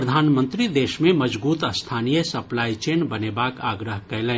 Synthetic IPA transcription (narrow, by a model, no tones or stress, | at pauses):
ɾəd̪ʱaːnmə̃nt̪ɾid̪eːʃmẽməd͡ʒbuːt̪əst̪ʰaːnijəsɐplaːit͡ʃeːnbɐneːbaːkaːɡɾəɦkɐlɛ̃ː